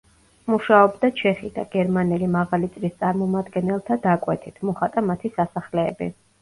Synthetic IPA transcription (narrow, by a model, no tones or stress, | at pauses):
muʃaɔbd̪at͡ʃʰɛχid̪̥a̰ɡ̥ɛɾmanɛlimaʁalit̪sʼlist̪sʼaɾmɔmad̪ɡɛnɛlˠt̪ʰad̪akʼwɛt̪ʰit̪ʰmɔχat̪ʼamat̪ʰisasaχlɛːbḭ